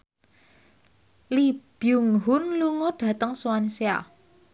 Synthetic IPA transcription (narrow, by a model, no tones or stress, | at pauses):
lib̥juŋɦʊnluŋɔɖ̥ä̤t̪əŋswansea̰